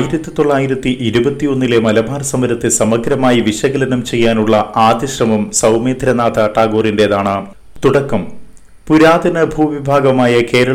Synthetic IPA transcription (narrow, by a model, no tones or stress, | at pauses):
jiɾɐt̪ːit̪o̞ɭːaːjiɾɐt̪ːiʔiɾubɐt̪ːijo̞nːilemɐlɐbʱaːɾɐsɐmɐɾɐt̪ːesɐmɐɡɾɐmaːjiʋiɕɐɣɐlɐnɐmt͡ɕe̞jːaːnuɭːɐaːd̪jɐɕrɐmɐmsɐwme̞ːd̪ʱɾɐnaːt̪ɐʈːaːɡoːrinde̞ðaːɳɨ | t̪uɽɐkːɐm | puɾaːd̪ɐnɨbʱuːʋibʱaːɡɐmaːjɐke̞ːɾɐɭ